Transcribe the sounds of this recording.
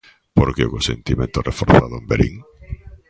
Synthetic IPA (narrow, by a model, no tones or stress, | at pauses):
poɾkeokosent̪imẽnt̪orʔefoɾθaðʊembeɾʔḭŋ